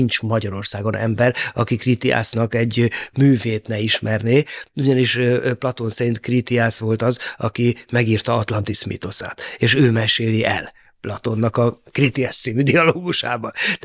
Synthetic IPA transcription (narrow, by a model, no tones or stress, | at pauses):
int͡ʃmɒɟɒɾo̞rsaːɡo̞nɛ̰mbɛɾɒkikrit̪ia̰ːsnɒkɛɟmyːveːt̪nɛiʃmɛrneːuɟɒniʃplɒt̪o̞nsɛɾint̪krit̪iaːsʋo̞lt̪ɒzɒkimɛɡiːrt̪ɒɒt̪lɒnt̪ismḭt̪o̞sa̰ːt̪eːʃøːmɛʃeːliʔɛ̰l | plɒt̪o̞nːɒkɒkrit̪iast̪siːmyd̪iɒloːɡuʃa̰ːbɒt̪